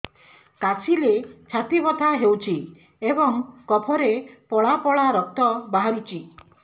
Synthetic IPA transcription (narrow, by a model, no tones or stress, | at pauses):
kasilet͡ʃʰat̪ibɔt̪ʰaɦewt͡ʃʰi | ebɔŋkɔpʰɔɾepɔɭapɔɭaɾɔk̚t̪ɔbaɦaɾut͡ʃʰi